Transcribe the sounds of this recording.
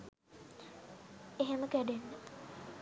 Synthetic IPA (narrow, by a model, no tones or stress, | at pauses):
eɦeməkæɖenːə